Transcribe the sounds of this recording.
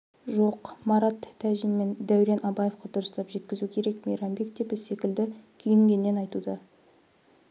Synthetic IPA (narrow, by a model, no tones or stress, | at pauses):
ʒo̞qmɑɾɑt̪ʰːæʒimːe̞nd̪æwɾenʔɑbɑje̞fqɑd̪ʊɾəst̪ɑpʒe̞t̪kʲɪzukʲʰe̞ɾe̞kmeɾɑmbe̞k̚d̪e̞pɪse̞kʲɪld̪ɪkʲʰʏjɪŋɡʲe̞nːe̞nɑjt̪ud̪ɑ